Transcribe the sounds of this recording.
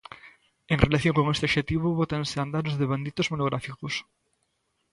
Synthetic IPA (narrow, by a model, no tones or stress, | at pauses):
eŋrelaθjõŋkoŋest̪eoʃet̪iβ̞ʊβot̪anseand̪aɾʊzðeβand̪it̪ʊzmonoɣɾafikos